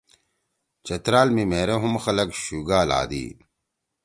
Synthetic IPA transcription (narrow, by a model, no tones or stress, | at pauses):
t͡ɕɐt̪ɾaːlmimeːɾeɦumxɐlɐkɕuːɡaːla̰ːd̪ḭː